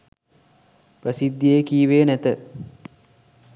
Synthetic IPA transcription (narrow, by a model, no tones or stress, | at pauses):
prəsid̪jejkiːʋeːnæt̪ə